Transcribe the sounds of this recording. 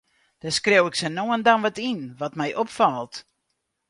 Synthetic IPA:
d̥askrewɪksənoəndanʋɔtinʋɔtmɛjʔopfalˠt

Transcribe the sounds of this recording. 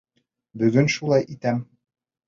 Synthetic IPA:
bɵ̆ɡɘnʃulˠɑjʔit̪æm

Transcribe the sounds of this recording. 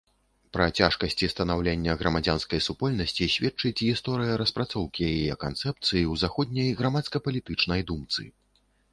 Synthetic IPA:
pɾɐt͡sʲaʂkɐsʲt͡sʲist̪ɐnawlʲenʲːɐɣɾɐmad͡zʲanskɐjsupɔlʲnɐsʲt͡sʲisʲvʲɛt͡ʂɨt͡sʲɣist̪ɔɾɨjɐɾɐspɾat̪sɔwkʲijajɛajɛkant̪sɛp̚t̪sɨjiwzaxɔd̪̚ʲnʲɐjɣɾɐmat̪skɐpɐlʲit̪ɨt͡ʂnɐjd̪umt̪sɨ̰

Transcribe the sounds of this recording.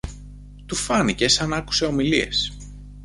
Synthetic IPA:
t̪ufɐnice̞sɐnɐku̥se̞o̞milie̞̰s

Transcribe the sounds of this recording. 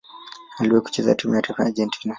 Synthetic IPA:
aliwɛku̥t͡ʃɛza̰tumɛjatafaad͡ʒɛntʰina

